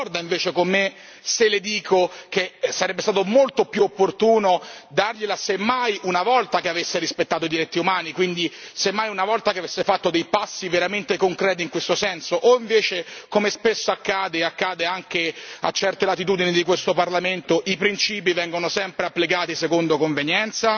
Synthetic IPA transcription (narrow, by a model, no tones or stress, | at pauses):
ɔrd̪aiɱveːt͡ʃekomːe | seled̪iːkʰok̟esaɾɛbːest̪aːt̪omolt̪oopjuopːort̪uːnod̪arʎelasemːajunavɔlt̪akeavesːeɾispet̪ːaːt̪oid̪iɾit̪ːiumaːnikwind̪isemːajunavɔlt̪akeavesːefat̪ːod̪ejpasːiveɾament̪ekoŋkɾɛːt̪̬iŋkwest̪osɛnsoʔoiɱveːt͡ʃekomespesːoakːaːd̪eakːaːd̪eaŋkea̰t͡ʃːɛrt̪elat̪ːit̪̬uːd̪inid̪ikwest̪oparlament̪oʔipɾint͡ʃiːpivɛŋɡonosɛmpɾeapːlikaːt̪isekond̪okoɱvenjɛnt̪sa